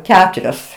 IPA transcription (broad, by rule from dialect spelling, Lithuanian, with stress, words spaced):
ˈkʲæːtʊrʲoːs